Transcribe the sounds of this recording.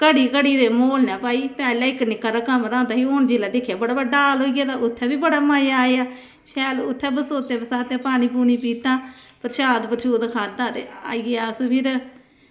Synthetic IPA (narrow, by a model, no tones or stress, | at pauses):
kəɽiːkəɽiːd̪eːmoːlnɛːpaːiːpɛːlaːɪknɪkːaɾaːkəmɾãːd̪aːɦiːoːnd͡ʒiːlaːd̪ɪkʰːjaːbəɽaːbəɖaːlɦoːiːɡaːt̪ãːʔʊt̪ʰːɛːbiːbəɽaːmaːjaːeaː | ʃɛːlʊt̪ʰːɛːbəsoːt̪eːbəsaːt̪ẽːpaːɽ̃iːpuːniːpiːt̪ãːpəɾʃaːd̪pəɾʃʰuːd̪kʰaːd̪aːɾea̰ːiɡejaːspʰɪɾ